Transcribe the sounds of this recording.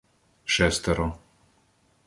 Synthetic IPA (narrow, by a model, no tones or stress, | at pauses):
ʃɛst̪ɛɾɔ